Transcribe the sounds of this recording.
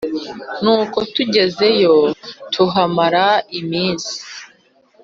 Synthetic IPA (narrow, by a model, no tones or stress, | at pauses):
nuːko̞tuɟe̞ze̞jo̞tʰuɦamaɾaimiːnzi̥